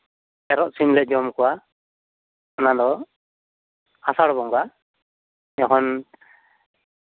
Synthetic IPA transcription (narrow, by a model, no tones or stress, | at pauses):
ɛɾɔʔsimlɛd͡ʒɔmkʰʊwa | ɔnandɔ | asaɔbɔŋɡa | ɔkʰɔn